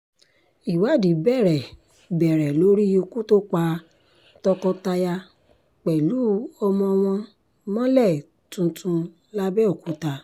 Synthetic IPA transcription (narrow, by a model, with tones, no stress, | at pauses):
i˨wa˨˦˨di˨bɛ˦˨ɾɛ˨ | bɛ˨ɾɛ˨lo˨˦ɾi˦o˧ku˦to˦k͡pa˧˦ | tɔ˧kɔ̃˧ta˧ja˧ | k͡pɛ˨lu˨˦ɔ˧mɔ̃˧w̃ɔ̃˧ | mɔ̃˦lɛ˦˨ | tũ˧tʰũ˧ | la˦bɛ˦o˨kũ˨˦ta˧